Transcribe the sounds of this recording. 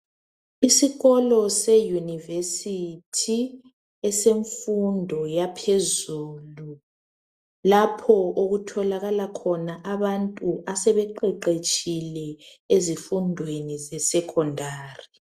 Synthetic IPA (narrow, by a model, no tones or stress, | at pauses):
isiɣɔlɔsɛjunivesitʰi | ɛseɱfundʱɔjapʰezuːlu | lapʰɔoɣutʰɔlaɣalakʰɔnaʔaβantʼuʔasɛβɛǃɛǃet͡ʃʼilɛ | ezifundʱwenizɛsɛkʰɔndʱaːri